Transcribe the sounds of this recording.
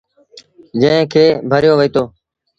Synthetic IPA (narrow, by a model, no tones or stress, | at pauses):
d͡ʒə̃ɦkʰeːbʱəɾjoːʋiːt̪oː